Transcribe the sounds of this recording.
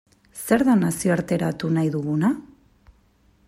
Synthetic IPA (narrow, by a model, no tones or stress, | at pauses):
se̞ɾðanasio̞aɾt̪e̞ɾat̪unajðuɣuna